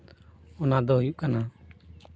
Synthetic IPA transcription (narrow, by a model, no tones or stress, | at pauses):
ʊnãːd̪oːɦʊjuʔkənaː